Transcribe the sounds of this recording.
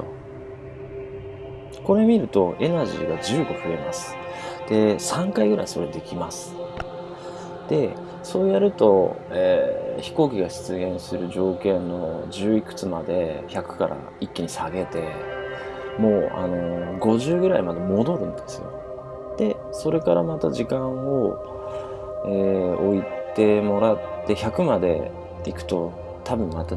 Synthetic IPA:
o | ko̞ɾe̞mʲiɾɯ̟t̪o̞ʔe̞naʑḭːɡad͡ʑɨːɡo̞ɸɯ̟e̞masɨ̥d̪̥e̞sãŋkaiɡɯ̟ɾa̰iso̞ɾe̞d̪e̞kʲimasɨ̥ | d̪̥e̞ | so̞ːjaɾɯ̟t̪o̞eçi̥ko̞ːkʲiɡaɕi̥t͡sɨɡʲẽ̞ɰ̃sɨɾɯ̟ʑo̞ːkẽ̞nːo̞d͡ʑɨːikɯ̟̥t͡sɨmad̪e̞çakɯ̟̥ka̰ɾʔa̰ | ikʲːiɲ̟isaɡe̞t̪e̞ | mo̞ːa̰no̞ɡo̞ʑɨːɡɯ̟ɾaimad̪e̞mo̞d̪o̞ɾɯ̟̃nd̪e̞sɨjo̞̰ | d̪̥e̞ | so̞ɾe̞kaɾamat̪aʑikãɰ̃o̞ | eːo̞it̪e̞mo̞ɾat̪ːe̞çakɯ̟mad̪e̞̰ | ikɯ̟̥t̪o̞ | t̪abʲimmat̪a

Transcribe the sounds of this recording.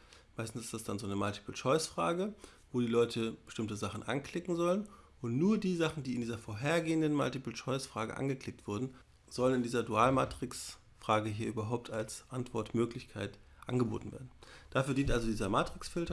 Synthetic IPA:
maɪstn̩sɪ̥std̥asd̥anzoːnəmaltʰi̥pl̩ʃɔʏsfʁ̥aːɡə | voːdiːlɔʏtʰəb̥ə̥ʃtɪmtəzaχn̩ʔa̰nkl̥ɪkŋ̩zɔlən | ʊntnuːɐdiːzaχn̩diːɪndiːzɐfoːɐɦeːɐɡeːəndənma̰ltipl̩ʃɔʏsfʁ̥aːɡə̰ʔa̰nɡəkl̥ɪk̚tv̥ʊɐdn̩ | z̥ɔlənɪndiːzɐduaːlmaːtʁ̥ɪks | fʁ̥aːɡəɦiːɐʔyːbɐɦaʊp̚tʰalsʔantv̥ɔɐtmøːklɪçkʰaɪt | ʔa̰nɡəbo̰ːtn̩vḛːɐdn̩d̥aːfyːɐdiːntʔalzodiːzɐmaːtʁ̥ɪksfɪltɐ

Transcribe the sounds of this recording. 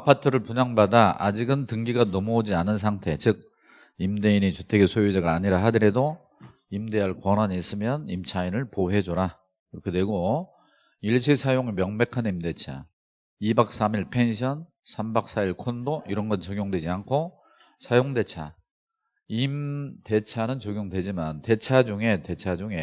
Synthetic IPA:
apʰatʰɯɾɯɭpuɲaŋbadaa̰d͡ʑiɡɯntɯŋɡiɡanʌmood͡ʑianɯns̬ʰaŋtʰe̞t͡ɕɯk̚ | imde̞init͡ɕutʰe̞ɡesʰojud͡ʑaɡaːɲiɾaɦadɯɾe̞do | imde̞aɭkwʌnaɲiːs͈ɯmjʌnimt͡ɕʰainɯɭpoɦe̞d͡ʑoɾa | kiɾʌkʰe̞dwe̞ɡo | iɭɕʰisʰajoŋemjʌŋbe̞kʰanimde̞t͡ɕʰa̰ | ibak̚s͈amiɭpʰe̞nɕʰʌn | sʰambak̚s͈aiɭkʰondoiɾʌnɡʌt͡ɕʌɡjoŋdwe̞d͡ʑiankʰo | sʰajoŋde̞t͡ɕʰa | imte̞t͡ɕʰanɯnt͡ɕʌɡjoŋdwe̞d͡ʑimante̞t͡ɕʰad͡ʑuŋe̞te̞t͡ɕʰad͡ʑuŋe̞

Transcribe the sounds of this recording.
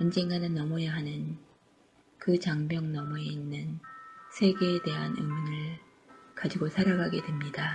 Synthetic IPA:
ʌnd͡ʑe̞ŋɡanɯnːʌmʌjeɦanɯn | kɯt͡ɕaŋbjʌŋnʌmʌe̞inːɯnsʰe̞ɡe̞ːde̞ɦanɯ̰mɯnɯɭ | kad͡ʑiɡosʰaɾaɡaɡe̞dwe̞mɲida

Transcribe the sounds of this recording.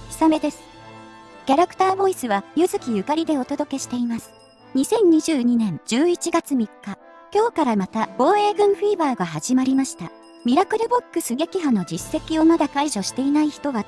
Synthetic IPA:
çʲi̥same̞d̪e̞sɨ̥ | kʲaɾakɯ̥t̪aːbo̞isɨβajɯzɨkʲijɯ̟kaɾʲid̪e̞o̞t̪o̞d̪o̞ke̞ɕi̥t̪e̞imasɨ̥ | ɲ̟isẽ̞ɲ̟ɲiʑɨːɲ̟inẽ̞ɲd͡ʑɨːit͡ɕiɡat͡sɨmʲikːa | kʲo̞ːkaɾamat̪ab̥o̞ːe̞ːɡɯ̟̃ɰ̃ɸiːbaːɡaɦaʑimaɾʲimaɕi̥t̪a | mʲiɾakɯ̟ɾɯ̟bo̞kːɯ̟sɨɡe̞kʲiɦano̞d͡ʑisːe̞kʲio̞mad̪akaiʑo̞ɕi̥t̪e̞inaiçi̥t̪o̞βa

